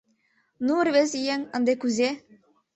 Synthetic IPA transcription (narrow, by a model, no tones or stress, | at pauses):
nuərβezijeŋɑnd̪ekuzʲe